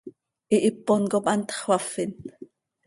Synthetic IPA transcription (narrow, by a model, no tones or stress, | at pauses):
ʔiʔipːonkopʔɑnt̪χwɑfin